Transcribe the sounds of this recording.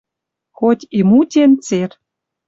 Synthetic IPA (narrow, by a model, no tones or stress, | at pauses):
xot̪ʲimutʲent͡ser